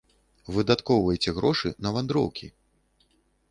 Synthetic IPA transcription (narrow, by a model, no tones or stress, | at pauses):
vɨd̪at̪kɔwvɐjt͡sʲɛɣɾɔʂɨ̰nɐvand̪ɾɔ̰wkʲʰi